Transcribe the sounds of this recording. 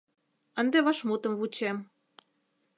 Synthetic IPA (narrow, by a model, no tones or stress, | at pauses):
ə̆nd̪eβɑʃmut̪ə̆mvut͡ɕem